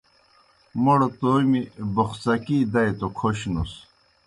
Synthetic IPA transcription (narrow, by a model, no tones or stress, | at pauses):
moɽot̪oːmiboxsɐkiːd̪ɐjt̪okʰoɕnus